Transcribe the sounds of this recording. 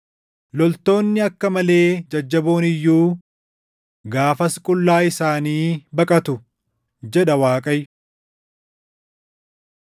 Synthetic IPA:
lɔlt̪o̞ːnːɪɐkːɐmɐle̞ːd͡ʒɐd͡ʒːɐboːnɪjːuː | ɡaːfɐskʼʊlːaːɪsaːniːbɐkʼɐt̪ʊ | d͡ʒɛᶑɐwaːkʼɐj

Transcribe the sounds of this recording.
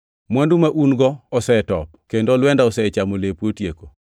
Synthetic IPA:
mwandumaʔunɡɔɔsɛtɔp̚kendoɔlwɛndaɔsɛt͡ʃamolepwotjeko

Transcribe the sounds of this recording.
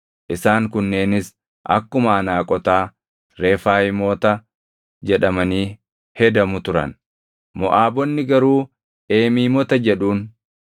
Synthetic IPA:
ʔɪsaːŋkʊnːe̞ːnɪs | ʔɐ̰kːʊmɐːnaːkʼɔt̪aː | ɾe̞ːfaːjɪmoːt̪ɐ | d͡ʒɛᶑɐmɐniː | hɛd̪ɐmʊt̪ʊɾɐ̰n | mɔʔaːbɔnːɪɡɐɾuː | ʔe̞ːmiːmɔt̪ɐd͡ʒɛᶑuːn

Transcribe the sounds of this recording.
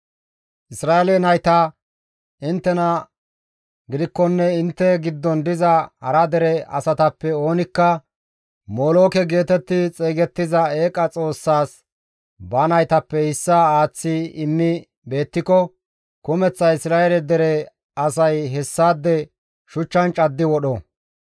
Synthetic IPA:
ʔɪsɾaːɛlɛnɐjt̪ɐ | ɪnt̪ːɛnɐ | ɡɪd̪ɪkːɔnːɛɪnt̪ːɛɡɪd̪ːɔnd̪ɪzɐhɐ̰ɾɐd̪ɛɾɛɐ̰sɐt̪ɐpːɛo̞ːnɪkːɐ | moːlo̞ːkɛɡe̞ːt̪ɛt̪ːɪt͡sʼeːɡɛt̪ːɪzɐeːkʼɐt͡sʼo̞ːsːaːs | banɐjt̪ɐpːɛhɪsːɐaːt͡sːɪɪmːɪ | be̞ːt̪ːɪkɔ | kʊmɛt͡sːɐɪsɾaːjɛlɛd̪ɛɾɛ | ɐsɐjɦɛsːaːd̪ːɛ | ʃʊt͡ʃːɐnt͡ʃʼɐd̪ːɪwɔɗɔ

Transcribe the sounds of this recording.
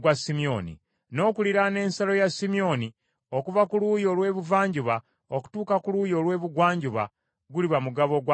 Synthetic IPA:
ɡwasimio̞̰nḭ | no̞ːkuliɾane̞ːnsalo̞jasimio̞ni | o̞kuvakuluːjo̞lwe̞ːβuvaːɲɟuβa | oku̥tuːkakuluːjo̞lwe̞ːβuɡwaːɲɟuβa̰ | ɡuliβamuɡaβo̞ɡwa

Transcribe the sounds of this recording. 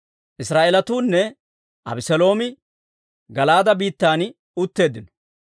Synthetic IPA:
ʔɪsɾaːʔelɐt̪uːnːɛ | ʔɐ̰bɪsɛlo̞ːmɪ | ɡɐlaːd̪ɐbiːt̪ːaːn | ʊt̪ːe̞ːd̪ɪnɔ̥

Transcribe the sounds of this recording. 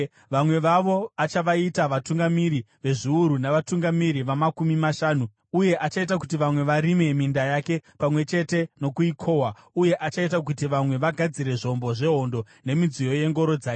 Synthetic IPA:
ʋamwe̞ʋaʋo̞at͡ʃaʋaitaʋatuŋɡamiɾi | ʋe̞ʐiuɾunaʋatuŋɡamiɾiʋamakumimaʃaːnu | uje̞ʔat͡ʃait̬ak̬utiʋamwe̞ʋaɾime̞mindajake̞pamwe̞t͡ʃe̞te̞no̞kuikʰo̞wa | uje̞ʔat͡ʃaitak̬utiʋamwe̞ʋaɡʱad͡ziɾe̞ʐo̞mbo̞ʐe̞ɦo̞ndo̞ | ne̞mid͡zijo̞je̞ŋɡo̞ɾo̞d͡zaːk

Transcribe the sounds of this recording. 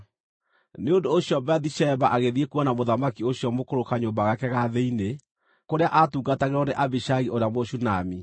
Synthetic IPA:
neondoːɕiɔbɛðiʃɛbaʔaɣeðiekwanamoðamakioɕiɔmokoɾokaɲoːmbaɣakɛɣaðeine | koɾeaʔatuːɡataɣeɾɔneʔabiʃaɣiʔoɾamoɕunami

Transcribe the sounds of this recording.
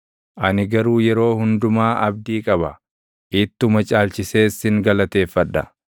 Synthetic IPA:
ʔɐnɪɡɐɾuːjɛɾo̞ːhʊnd̪ʊmaːʔɐb̚d̪iːkʼɐbɐ | ʔɪt̪ːʊmɐt͡ʃʼaːlt͡ʃɪse̞ːsɪŋɡɐlɐt̪e̞ːfːɐᶑːɐ̰

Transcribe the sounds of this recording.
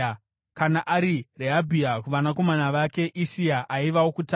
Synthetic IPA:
kanaʔaɾireɦabʱiakuʋanako̞manaʋake̞ʔiʃiaʔaiʋawokuta

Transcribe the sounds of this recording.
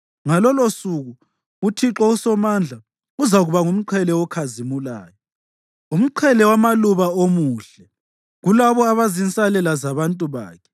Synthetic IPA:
ŋalɔlosuɣu | utʰiǁɔusɔmand͡ɮʱa | uzaɣuβaŋum̩ǃʰɛlɛwɔkʰazimula̰ːjɔ | um̩ǃʰwɛlɛwamaluβaomuɬɛ | ɣulaβɔaβazint͡sʼalɛlazaβantʼuβa̰ːkʰɛ̥

